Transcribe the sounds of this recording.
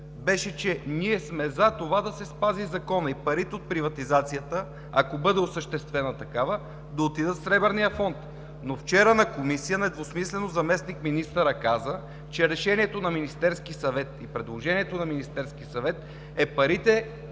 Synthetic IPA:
bɛʃɛt͡ʃɛniɛsmɛzat̪ovad̪ɐsɛspazizɐkɔnəipɐɾit̪ɛot̪̚pɾivɐt̪izat̪sijət̪ə | ɐ̰kobɤd̪ɛosəʃt̪ɛst̪vɛnɐt̪ɐkavə | d̪ɐot̪id̪ət̪fsɾɛbɛɾnijəfɔnt̪ | noft͡ʃɛɾənɐkomisijənɛd̪vosmislɛnozɐmɛsnikminist̪əɾəkazə | t͡ʃɛɾɛʃɛniɛt̪onɐminist̪ɛɾskisɐvɛt̪ipɾɛd̪lˠoʒɛniɛt̪onɐminist̪ɛɾskisɐvɛt̪ | ɛpɐɾit̪ɛ

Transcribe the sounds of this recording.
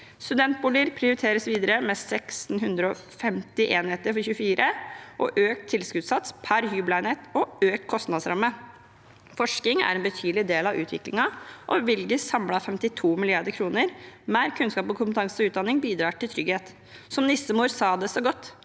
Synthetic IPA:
st̪ʉd̪ɛnt̪̚buːləɾpʰɾɪʊɾɪt̪ʰeːɾəsʋiːd̪əɾəmɛsɛksn̩ɦʉnd̪ɾəɔ | fɛmt̪ɪʔeːnheːt̪əɾfɔɾçʉːfiːɾʔəʔɔ̰ʔøːk̚t̪ʰːɪlskʉːt̪sɑt̪spʰæɾhyːblæɪneːt̪ɔøːk̚t̪kʰɔst̪nɑd̪sɾɑmːə | fɔʂkɪŋæ̰ɾɛnbət̪ʰyːd̪l̩ɪd̪eːlɑʋʉ̰ːt̪ʋɪ̰klɪŋɑʔɔʋɪlɡəsɑmlɑfɛmt̪ɪt̪ʰuːmɪlɪɑɖ̪əɾkʰɾuːnəɾmæːɾkʰʉnskɑːpɔkʰʊmpət̪ʰɑŋsəɔʉːd̪ɑnːɪŋbiːd̪ɾɑːʈʰɪlt̪ʰɾʏɡheːt̪ | sɔmnɪsəmuːɾsɑːd̪ɛsɔɡɔt̪ː

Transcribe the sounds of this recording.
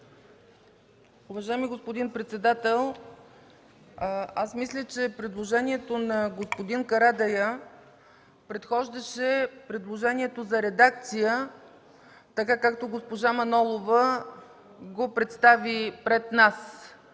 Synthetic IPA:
ʊvɐʒajɛmiɡospod̪inpɾɛt̪sɛd̪at̪ɛlˠ | asmislʲət͡ʃɛpɾɛd̪lˠoʒɛniɛt̪onɐɡospod̪inkɐɾad̪ɐjə | pɾɛt̪xɔʒd̪əʃɛpɾɛd̪lˠoʒɛniɛt̪ozɐɾɛd̪ak̚t̪sijə | t̪ɐkakak̚t̪oɡospoʒamɐnɔlˠovə | ɡopɾɛt̪st̪avipɾɛt̪nas

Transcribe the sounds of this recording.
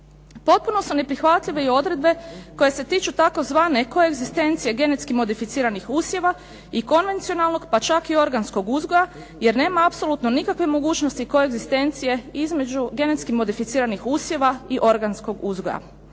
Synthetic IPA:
po̞t̪̚punosune̞pɾixʋat̪ʎiʋe̞io̞d̪ɾe̞d̪̚be̞ko̞je̞se̞t̪iːt͡ʃut̪ako̞zʋaːne̞ko̞e̞ɡzist̪e̞nt̪sije̞ɡe̞net̪skimo̞d̪ifit̪siːɾanixuːsje̞ʋa | iko̞nʋe̞nt̪sio̞nalno̞ɡpat͡ʃakio̞ɾɡansko̞ɡuzɡo̞ja | je̞ɾne̞ːmaapso̞lˠuːt̪no̞nikakʋe̞mo̞ɡuːt͡ʃnost̪iko̞e̞ɡzist̪e̞nt̪sije̞izme̞d͡ʒuɡe̞ne̞t̪skimo̞d̪ifit̪siːɾanixuːsje̞ʋaiʔo̞ɾɡansko̞ɡuzɡoja̰

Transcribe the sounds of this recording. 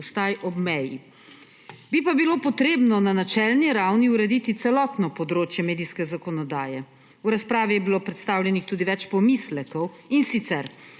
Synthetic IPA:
st̪ajʔɔbmɛjḭ | bipabiloːpɔt̪ɾeːbnɔnanat͡ʃɛlniɾawniuɾɛd̪iːt̪it̪sɛlɔt̪nɔpɔd̪ɾoːt͡ʃjɛmeːd̪ijskɛzakɔnɔd̪aːjɛ | uɾaspɾaːʋijɛbiloːpɾɛt̪st̪aːwljɛnixt̪uːd̪iʋɛt͡ʃpɔmislɛkɔwinsit̪sɛɾ

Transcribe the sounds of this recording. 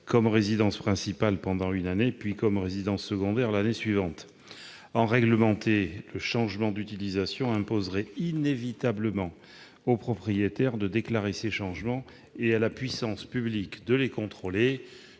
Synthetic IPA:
kɔmʁezid̪ɑ̃spχɛ̃sipalpɑ̃d̪ɑ̃ynanepɥikɔmʁezid̪ɑ̃sːəɡɔ̃d̪ɛʁlanesɥivɑ̃t̪ | ɑ̃ʁɛɡləmɑ̃t̪eləʃɑ̃ʒmɑ̃d̪yt̪ilizasjɔ̃ɛ̃pozʁɛinevit̪abləmɑ̃ | opχɔpχijet̪ɛʁd̪əd̪eklaʁeseʃɑ̃ʒmɑ̃ | ealapɥisɑ̃spyblikd̪əlekɔ̃t̪χole

